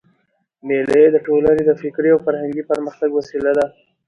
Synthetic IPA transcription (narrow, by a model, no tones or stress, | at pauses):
melajed̪əʈolaned̪əfɪkɾeawfaɾhaŋɡipəɾməxt̪aɡwasilad̪a